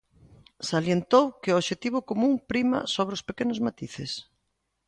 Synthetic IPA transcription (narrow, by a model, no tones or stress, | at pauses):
saljent̪owkɪoʃet̪iβʊkomũŋpɾimɐ̰soβ̞ɾospekenʊzmat̪iθɪs